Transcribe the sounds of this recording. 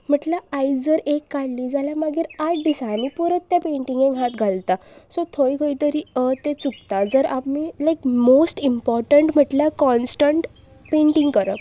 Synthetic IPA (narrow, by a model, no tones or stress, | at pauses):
m̤əʈlaajd͡zəɾekːaɽliːd͡zalamaɡiɾaʈɖisãnipɔɾət̪ːjapẽɳʈĩŋɡẽɡʱãt̪ɡʱalt̪asɔt̪ʰojɡʱəjt̪əɾiːət̪et͡suk̚t̪ad͡zəɾapmilajkmosʈimpɔɾʈəɳʈm̤əʈlakɔnsʈəɳʈ | pẽɳʈĩŋɡkəɾə